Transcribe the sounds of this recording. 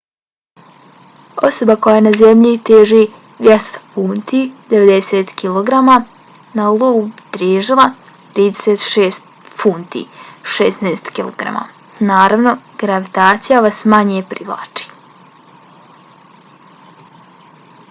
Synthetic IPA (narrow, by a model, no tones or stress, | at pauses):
o̞̰so̞bakojajenazemʎit̪eːʒi | ʋjest̪funt̪id̪e̞ʋed̪eseːt̪kilˠoɡɾama | naulˠoɡut̪ɾeːʒilˠa | t̪ɾiːd̪eseːt̪ʃeːst̪ | funt̪ḭːʃesnaeːst̪kilˠoɡɾa̰ma̰ | naːɾaʋno̞ɡ̥ɾaʋit̪aːt̪sijaʋasmaɲepɾiʋlˠa̰ːt͡ʃi̥